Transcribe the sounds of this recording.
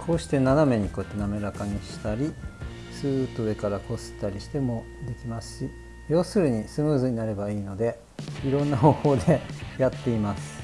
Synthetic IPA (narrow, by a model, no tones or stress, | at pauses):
kʰo̞ːɕi̥t̪e̞naname̞ɲ̟iko̞ːet̪ːe̞name̞ɾakaɲ̟iɕi̥t̪aɾʲi | sɨːt̪od̪e̞kaɾako̞sɨ̥t̪aɾʲiɕi̥t̪e̞mo̞ | d̪e̞kʲimasɨ̥ɕi | jo̞ːsɨɾɯ̟ɲ̟isɨmɯ̟ːzɨɲ̟inaɾe̞baiːno̞d̪e̞ | iɾõ̞nːaɦo̞ːho̞ːd̪e̞jat̪ːe̞imasɨ̥